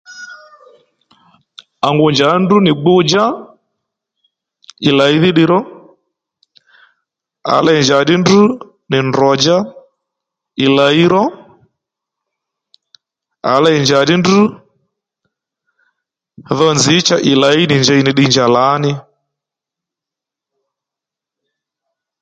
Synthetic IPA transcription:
a˨ŋɡʊ˨ɲd͡ʒa˨˦ndu˦nɪ˨ɡ͡bʊ˦d͡ʒa˦ | i˨la˨i˦ðɪ˦ɗɪ˨ɾɔ˦ | a̰˨˦la˦˨i˨ɲd͡ʒa˨ɗi˦ndu˦ | nɪ˨ndɔ˨d͡ʒa˦ | i˨la˨i˦ɾɔ˦ | a̰˨la˦i˨ɲd͡ʒa˨ɗɪ˦ndu˦ | ðɔ˦nzɪ˨˦t͡ʃa˦˨ʔɪ˨la˨i˦nɪ˨ɲd͡ʒa˨i˨nɪ˨ɗɪ˨ɲd͡ʒa˨la˨˦nɪ˦

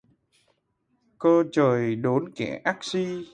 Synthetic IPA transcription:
kəː˧t͡ɕəː˨˩jɗo˨˦nkɛ̰˧˩ʔa˦˥k̚si˧

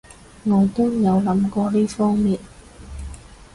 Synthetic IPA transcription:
ŋɔː˨˧jt̪ʊ˥wjɐ˨˧wlɐ˨˥mkɔː˧liː˥fɔː˥ŋmiː˨n̚

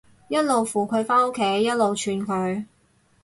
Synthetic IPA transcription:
jɐ˥t̚lo˨wfuː˨kʰɵ˨˧ɥfaː˥no˥kʰːe˨˥jːɐ˥t̚lo˨wt͡ʃʰyː˨˧nkʰɵ˨˧ɥ

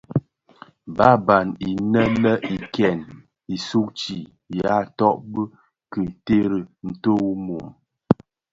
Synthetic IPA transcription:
ba˦ba˨ni˨nə˦lə˦ʔi˨kɛ˨n | i˨su˦k̚t͡ʃi˨ | ja˨˦tɔ˦ʔbə˦ | kɨ˨n˨te˦ɾə˨n̩˨to˦wu˦mo˨m

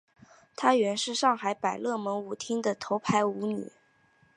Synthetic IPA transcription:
t̪ʰa˥ɥɛ˧˥nʂɻ̩˥˧ʂɑ˥˩ŋxa˧˥ɪpa˨˩ɪlɤ˥˩mə˧˥ŋu˨˥t̪ʰi˥ŋd̪ə˨t̪ʰo˧˥ʊpʰa˧˥ɪu˧˥ny̰˨˩˦

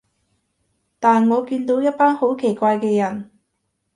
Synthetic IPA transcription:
t̪aː˨nŋɔː˨˧kiː˧nt̪o˨˥wjɐ˥t̚paː˥nho˨˥wkʰe˨˩jkʷaː˧jkɛː˧jɐ˨˩n

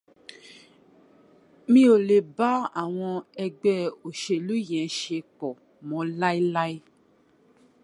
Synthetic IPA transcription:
mĩ˧˦o˨le˨ba˦a˨w̃ɔ̃˧ɛ˧ɡ͡bɛ˦o˨ʃe˨lu˦jɛ̃˨˦ʃe˧˨kɔ˨ | mɔ̃˨˧˦la˦i˦la˦i˦

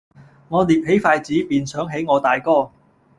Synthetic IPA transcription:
ŋɔː˨˧liː˨p̚he˨˥jfaː˧jt͡siː˨˥piː˨nsœː˨˥ŋɦe˨˥jŋɔː˨˧t̪aː˨jkɔː˥˩

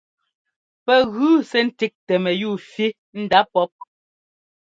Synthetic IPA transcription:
pɛ˨ɣʉː˨˦sɛ˦n̩˦ti˦k̚tɛ˨mɛ˨juː˦˨fi˦ | n̩˦da˦pɔ˦p̚

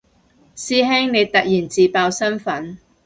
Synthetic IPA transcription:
siː˥ɦɛː˥ŋne˨˧jt̪ɐ˨k̚jiː˨˩nt͡siː˨paː˧wsɐ˥nfɐ˨˥n

